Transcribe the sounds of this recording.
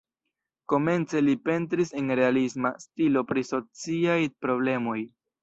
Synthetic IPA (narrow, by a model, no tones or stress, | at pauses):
ko̞me̞nt͡se̞lipe̞ntɾise̞nɾe̞alisma̰stilo̞pɾiso̞t͡siajpɾo̞ble̞mo̞j